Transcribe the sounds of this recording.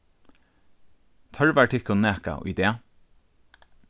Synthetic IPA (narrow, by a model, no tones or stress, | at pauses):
t̪ʰœɹʋæːʈʰɪkʊneːkɑ̰o̰ːʔḭd̪eː